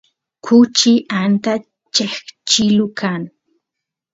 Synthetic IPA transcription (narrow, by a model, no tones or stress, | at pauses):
kʰʊt͡ʃɪʔant̪a | t͡ʃext͡ʃɪlʊkʰaŋ